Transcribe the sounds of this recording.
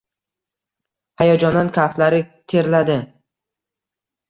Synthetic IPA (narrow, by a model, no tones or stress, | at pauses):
hajɒd͡ʒɒnd̪ankʰʲaft̪laɾɪt̪ʰe̞ɾlad̪ɪ